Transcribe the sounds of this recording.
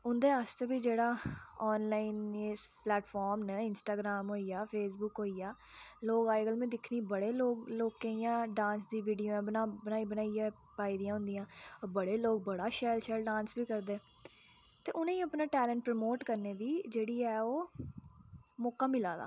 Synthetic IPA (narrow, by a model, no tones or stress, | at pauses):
ʊnd̪eːast̪ːbiːd͡ʒeːɽaːɔːnlaːinesplɛːʈfʰɔːɾmnɛːɪnsʈaːɡɾaːmɦoːiːjaːpʰeːsbʊkɦoːiːjaː | loːɡaːɪɡəlmẽːd̪ɪkʰniːbəɽeːloːɡloːkẽːjãːɖãːnsd̪iːʋiːɖijoːɛ̃ːbənaːbənaːiːbənaːijãː | paːiːd̪ijãːɦʊ̃nd̪ɪjãːbəɽeːloːɡ̚bəɽaːʃɛːlʃɛːlɖãːnsbiːkəɾd̪eː | t̪eːʔʊnẽːĩːəpnaːʈɛːlə̃ɳʈ̚pɾəmoːʈkəɾneːd̪iːd͡ʒeːɽiːɛːoː | mɔːkaːmɪla̰ːd̪a̰ː